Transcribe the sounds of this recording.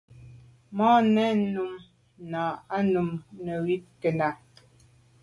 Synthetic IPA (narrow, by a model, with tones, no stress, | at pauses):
mɔ˦nɛ˦nu˨m | naː˨a˦nu˨mnə˨wi˦ke˨na˨